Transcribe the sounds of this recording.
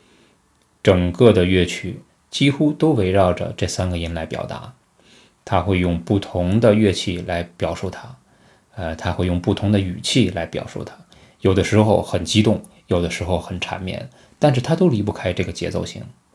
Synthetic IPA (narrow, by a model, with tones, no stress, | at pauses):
ʈ͡ʂɤ˨˩ŋkɤ˥˩d̪ə˩ɥɛ˥˩t͡ɕʰy˥˩ | t͡ɕi˥xu˥t̪o˥ʊwe˧˥ɪɻɑ˥˩ʊʈ͡ʂə̰˩ʈ͡ʂɤ˥˩sa˥nɡə˨i˧˥nla˧˥ɪpjɑ̰˨˩ʊt̪a̰˧˥ | t̪ʰa˥xwe˥˧ɪjʊ˥˧ŋpu˥˩t̪ʰʊ˧˥ŋd̪ə˧ɥɛ˥˧t͡ɕʰi˥˩la˧˥ɪpjɑ˨˩ʊʂu˥˩t̪ʰa˥ | ə˧t̪ʰa˥xwe˥˧ɪjʊ˥˧ŋpu˥˩t̪ʰʊ˧˥ŋd̪ə˧y˨˩t͡ɕʰi˥˩la˧˥ɪpjɑ̰˨˩ʊʂu˥˩t̪ʰa˥ | jo˨˩ʊd̪ə˦ʂɻ̩˧˥xo˥˧ʊxə˨˩nt͡ɕi˥t̪ʊ˥˩ŋ | jo˨˩ʊd̪ə˦ʂɻ̩˧˥xo˥˧ʊxə˨˩nʈ͡ʂʰa̰˧˥nmjɛ̰˥˩n | t̪a˥˧nʂ̬ɻ̩˥˩t̪ʰa˥t̪o˥ʊli˧˥p̬u˥˧kʰa˥ɪʈ͡ʂɤ˥˩ɡə˩t͡ɕjɛ̰˧˥t͡so˥˧ʊɕḭ˥˩ŋ